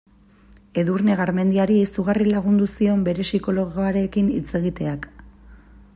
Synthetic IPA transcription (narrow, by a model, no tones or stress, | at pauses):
e̞ðuɾne̞ɣ̞aɾme̞nd̪iaɾiisuɣarilaɣ̞und̪usio̞mbe̞ɾe̞siko̞lo̞ɣoaɾe̞kinit͡se̞ɣit̪e̞ak